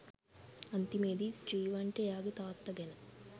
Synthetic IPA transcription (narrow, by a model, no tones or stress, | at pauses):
ɐnt̪imeːd̪isʈɾiːʋɐɳʈejaːɡut̪aːt̪ːɐɡenɐ